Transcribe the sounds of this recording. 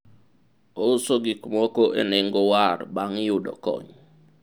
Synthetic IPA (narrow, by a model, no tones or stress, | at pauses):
osoɡikmɔkoʔḛnɪŋɡowarbaŋjʊdɔ̰kɔ̰ɲ